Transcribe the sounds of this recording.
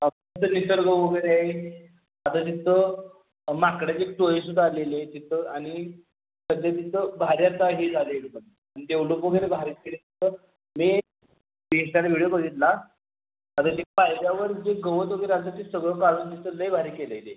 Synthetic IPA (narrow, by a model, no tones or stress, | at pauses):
ət̪it̪ʰənisəɾɡəʋəɡəjɾeaɦe | at̪at̪̬it̪ʰə | makɽjad͡ʑeʈoisud̪ʱːaːlelet̪it̪ʰəaɽ̃i | səd̪ʱjat̪it̪ʰəbʱaɾjat̪aɦiːd͡zʱaleɽbən | anid̪eʋlokʋəɡəjɾebʱaɾit̪̚kelet̪it̪ə | me | d̪eɕalaʋʱiɽjokəɽiːt̪la | at̪at̪ipajljaʋəɾd͡ʑeɡəʋət̪ʋəɡəjɾeat̪at̪isəɡɭəkaɽuːnt̪it̪ʰələibʱaɾiːkeləjle